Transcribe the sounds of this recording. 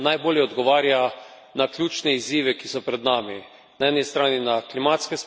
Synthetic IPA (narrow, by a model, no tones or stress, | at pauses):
najboːljɛɔd̪ɡɔʋaːɾja | naklʲjuːt͡ʃnɛiziːʋɛkisɔpɾɛd̪naːmi | naɛːnist̪ɾaːninaklimaːt̪skɛs